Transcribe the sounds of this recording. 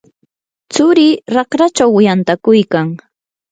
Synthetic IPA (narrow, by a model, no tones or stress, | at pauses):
t͡sʊɾɪɾɑkɾat͡ʃawɪjant̪akʊjkaŋ